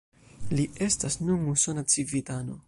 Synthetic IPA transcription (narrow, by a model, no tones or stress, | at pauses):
lie̞stasnunusonat͡sivitano̞̰